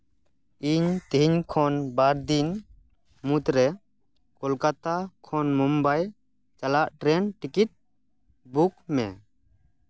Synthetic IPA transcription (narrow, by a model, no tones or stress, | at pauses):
iɲt̪iɲkʰɔnbaɾd̪in | mut̪ɾɛ | kɔlkat̪akʰɔnmɔmbaj | t͡ʃalaʔʈɾɛnʈikiʈ̚ | buk̚mɛ̰